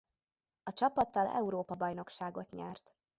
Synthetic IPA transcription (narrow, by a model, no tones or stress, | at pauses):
ɒt͡ʃɒpɒt̪ːɒlɛ̰uɾoːpɒbɒjno̞kʃaːɡo̞t̪ɲɛ̰rt̪